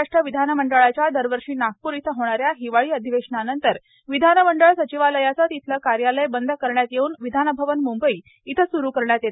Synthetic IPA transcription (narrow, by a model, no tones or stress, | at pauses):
aʂʈɾəʋid̪ʱanəməɳɖəɭat͡ɕjad̪əɾʋəɾʂiːnak̚puːɾit̪ʰəɦoɽ̃aɾjaɦiʋaɭiːəd̪ʱiʋeʂɳanənt̪əɾ | ʋid̪ʱanəməɳɖəɭsət͡ɕiʋaləjat͡sət̪it̪ʰləkaɾjaləjbənd̪ʱəkəɾɳjat̪jeuːnʋid̪ʱanəbʱəʋənmumbəi | it̪ʰəsuɾukəɾɳjat̪jet̪